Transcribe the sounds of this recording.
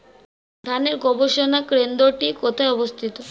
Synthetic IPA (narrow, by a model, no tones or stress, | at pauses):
d̪ʱaneɾɡɔboʃonakɾend̪oʈikɔt̪ʰaeɔbost̪ʰit̪o